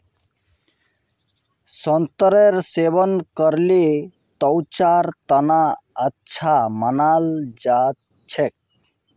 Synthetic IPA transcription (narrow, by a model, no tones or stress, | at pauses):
sənt̪əɾeɾsebənkəɾle | t̪ɔwt͡ʃaɾt̪ənaətːt͡ʃʰamənald͡ʒat̪ | t͡ʃʰek̚